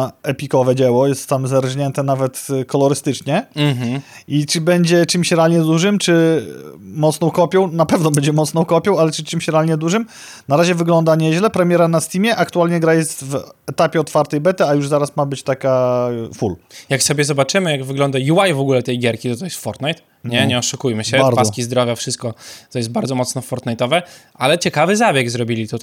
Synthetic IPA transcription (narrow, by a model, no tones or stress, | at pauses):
ɛpʲikɔvɛd͡ʑɛwɔjɛst̪ːamzaɾʑɲɛnt̪ɛnavɛt̪kɔlɔɾɘst̪ɘt͡ʂɲɛm̩ɦ̩ | it͡ʂɘbɛɲd͡ʑɛt͡ʂɘmɕɾɛalɲɛd̪uʐɘmt͡ʂɘ | mɔt̪snɔ̃w̃kɔpʲjɔwnapɛvnɔbɛɲd͡ʑɛmɔt̪snɔ̃w̃kɔpʲjɔw̃alɛt͡ʂɘt͡ʂɘmɕɾɛalɲɛd̪uʐɘm | naɾaʑɛvɘɡlɔnd̪aɲɛʑlɛpɾɛmʲjɛɾanasʲt̪ʲimʲjɛʔakt̪ualɲɛɡɾajɛst̪vɛt̪apʲjɛɔt̪faɾt̪ɛjbɛt̪ɘajuʐzaɾasmabɘt͡ɕt̪akafuljaksɔbʲjɛzɔbat͡ʂɘmɘjaɡvɘɡlɔnd̪ajuwajvɔɡulɛt̪ɛjɡʲjɛɾkʲit̪ɔt̪ɔjɛst̪fɔɾt̪najt̪ | ɲɛɲɛɔʂukujmɘɕɛbaɾpaskʲizd̪ɾɔvʲjafʂɘst̪̚kɔt̪ɔjɛst̪̚baɾd̪zɔmɔt̪snɔfɔɾt̪najt̪ɔvɛʔalɛt͡ɕɛkavɘzabʲjɛɡzɾɔbʲilʲit̪ɔ